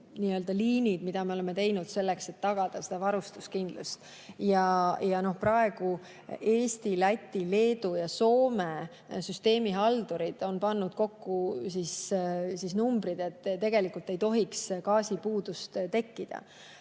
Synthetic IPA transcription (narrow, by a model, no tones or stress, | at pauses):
niːø̞ld̪̥ɑliːnid̪̥mid̪̥ɑmeo̞leme̞t̪e̞jnud̪̥se̞lːekse̞t̪ːɑɡ̥ɑd̪̥ɑse̞d̪̥ɑvɑɾust̪uskind̪̥lust̪ | jɑjɑno̞hpɾɑe̞ɡ̥u | e̞ːst̪ilæt̪ʲːile̞ːd̪ujɑso̞ːme | syst̪e̞ːmiɦɑld̪oɾid̪̥o̞npɑnːud̪̥ko̞kːusissisnumbɾid̪̥e̞t̪ːt̪e̞ɡ̥e̞likult̪ːe̞jt̪o̞ɦikskɑːsipuːd̪̥ust̪t̪e̞kːid̪̥ɑ̰